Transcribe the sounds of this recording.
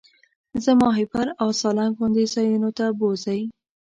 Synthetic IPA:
zəmɑɦɪpaɾawsɑlaŋxʊnd̪isɑjunot̪abozəj

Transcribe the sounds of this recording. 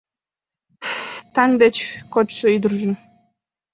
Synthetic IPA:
t̪ɑŋd̪et͡ɕkot̪ʃə̆yd̪ərʒə̆n

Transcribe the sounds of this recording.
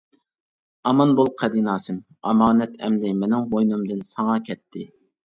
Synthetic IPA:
ɑmɑnbulˠqʰɛd̪inɑːsɨm | ɑ̰mɑːnɛt̪ʰɛ̰md̪ɪmɛnɪŋɦojnumd̪ɨnsɑŋɑkʲʰɛt̪ʰːɪ

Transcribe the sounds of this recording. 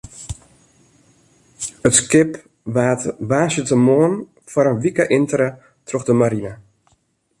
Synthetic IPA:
ətskɪp | ʋaːtʋaːsjətəmoən | fwaɾənʋikəʔɪntəɾə | troxdəmaɾinə

